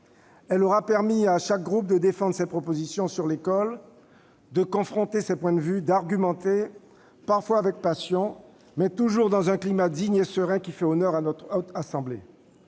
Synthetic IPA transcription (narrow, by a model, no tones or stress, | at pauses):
ɛlɔʁapɛʁmiaʃak̚ɡʁup̚d̪əd̪efɑ̃d̪ʁəsɛpχɔpozisjɔ̃syʁlekɔl | d̪əkɔ̃fχɔ̃t̪esɛpwɛ̃d̪əvyd̪aʁɡʲymɑ̃t̪e | paʁfwaːvɛk̚pasjɔ̃ | mɛt̪uʒuʁd̪ɑ̃zɛ̃klimad̪iɲesəʁɛ̃kʲifɛɔnœʁanɔt̪χot̪asɑ̃blḛ